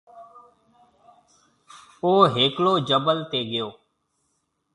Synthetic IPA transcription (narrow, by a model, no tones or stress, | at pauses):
oːɦeːkloːd͡ʒəbəlt̪eːɠɪjoː